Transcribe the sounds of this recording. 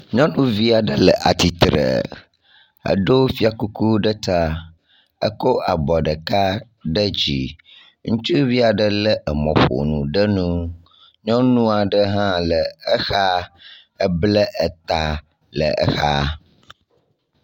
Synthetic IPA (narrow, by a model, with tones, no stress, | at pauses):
ɲɔ̃˦nũ˦vi˦a˨ɖə˦lə˨ʔa˨t̪i˨t̪ɾə̰˨ | ə̰˨ɖo˦fi˦a˨ku˦ku˦ɖə˦t̪a˦ | ə̰˦ko˦ʔa˨bɔ˨ɖə˨ka˦ | ɖə˦d͡ʑi˨ | ŋũ˦t͡ʃu˦vi˦a˨ɖə˦lə˦ʔə˨mɔ̰̃˨ɸo̰˨nṵ̃˨ɖə˦nũ˦ | ɲɔ̃˦nũ˦a˨ɖə˦ɦã˦lə˨ə˦xa˦ | ə˦blə˦ʔɛ˨t̪a˨ | lə̰˨ʔɛ̰˦xa˦